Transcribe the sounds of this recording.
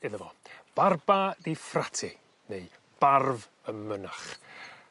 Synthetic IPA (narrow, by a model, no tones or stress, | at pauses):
ɪðəvɔb̥arbadifratʰɪ | neɨ | b̥arv | əmːənaχ